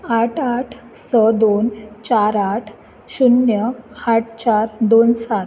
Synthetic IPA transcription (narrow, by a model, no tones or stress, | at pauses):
aʈʰaʈʰ | səd̪ont͡ɕaɾaʈʰ | ɕunjəaʈʰt͡ɕaɾd̪onsat̪